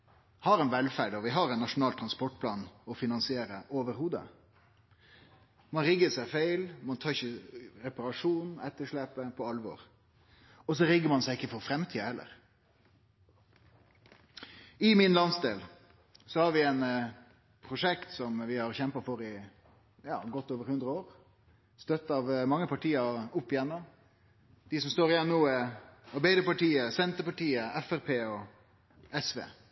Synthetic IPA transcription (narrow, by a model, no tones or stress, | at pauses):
hɑɾɛnʋɛlfæɖɔʋɪɦɑɾɛɪnːɑʂʊnɑːlt̪ʰɾɑnspɔʈ̚pʰlɑːnɔfɪnɑnsɪeːɾəʔoːʋəɾɦuːd̪ə̰ | mɑnɾɪɡːəsæɪfeɪlmɑnt̪ʰɑːɾɪçəɾɛpɑɾɑʂuːnɛt̪ːəʂɭepəpʰɔɑlʋɔ̰ɾ | ɔs̬ɔɾɪɡːəɾmɑnsæɪɪkːəfɔɾfɾɛmt̪ʰiːəhɛlːə̰ɾ | ɪmɪnlɑnsd̪eːl | sɔhɑːɾʋɪɛɪn | pʰɾʊʂɛkt̪sɔmʋɪhɑɾçɛmpəfɔɾɪ | jɑ̰ːɡɔt̪ːoːʋəɾhʉnd̪ɾəoːɾ | st̪œt̪ːɑʋmɑŋːəpʰɑʈʰiːəɾʊpːɪjɛnːɔm | d̪̥ɪsɔmst̪oːɾɪjɛnnnuːɑɾbæɪd̪əpɑʈiːəsɛnt̪əpɑʈiːəɛfæɾpʰeːɔ | ɛsʋḛː